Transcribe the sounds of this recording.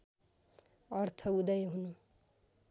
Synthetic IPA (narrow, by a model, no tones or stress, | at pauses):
ʌɾt̪ʰʌud̪ʌjɦunu